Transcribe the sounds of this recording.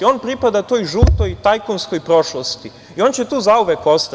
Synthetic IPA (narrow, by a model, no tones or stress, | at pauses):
o̞ːnpɾipad̪at̪oːjʒuːt̪o̞jt̪ajkonsko̞jpɾo̞ʃlost̪i | io̞ːnt͡ɕet̪uːzauʋekost̪